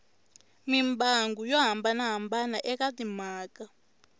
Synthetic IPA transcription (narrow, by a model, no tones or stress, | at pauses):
mimbaŋɡujɔɦambanaɦambanaʔɛkatimaːka